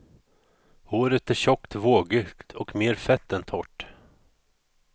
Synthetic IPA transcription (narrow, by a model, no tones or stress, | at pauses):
hoːɾət̪æɕɔkt̪voːɡʏkt̪ʰɔkmeːɾfɛt̪ːɛnt̪ʰɔʈː